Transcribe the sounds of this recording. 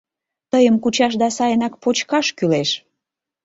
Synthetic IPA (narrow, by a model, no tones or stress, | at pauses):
t̪əjəmkut͡ɕɑʃ̬d̪ɑsɑjənɑk̚pot͡ɕkɑʃkyleʃ